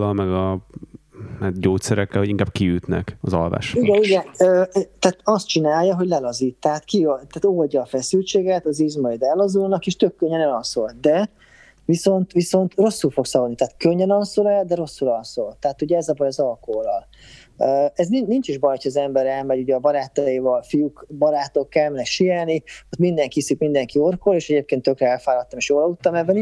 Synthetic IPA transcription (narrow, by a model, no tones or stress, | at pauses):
lɒlmɛɡɒ | aɟoːt̪sɛɾɛkːɛlhoiŋkaːb̚kiyt̪nɛ̰kɒzɒ̰lva̰ːʃiɛnuɟɛøːt̪aːt̪ɒst̪t͡ʃinaːjːɒɦo̞ɟlɛlɒziːt̪ːɛaːt̪kiot̪aːt̪olɟɒːfɛsylt͡ʃeːɡɛt̪ɒzizmɒjd̪ɛlɒzulnɒkeːʃt̪økːøɲːɛnɛlɒsolt̪̚d̪ɛ | viso̞nt̪viso̞nt̪ro̞sːulfo̞ksɒvolnit̪aːt̪køɲːɛnɒlsolɛld̪ɛɾo̞sːulɒlsolt̪ːɛaːt̪uɟɛɛzɒbɒjɒzɒlkoolɒl | øɛzninint͡ʃiʒbɒjhocʰɒːzɛmbɛɾɛlmɛɟuɟɛːbɒɾaːt̪ːɔjiːvɒlfijukbɒɾaːt̪okːɛlmnɛʃijaːlniot̪mind̪ɛŋkhisikmind̪ɛŋkio̞rkoleːʃɛɟeːp̚keːnt̪ːø̞krɛɛlfaːlɒt̪ːɒmeːʃjoːlɒut̪ːɒmɛvɛni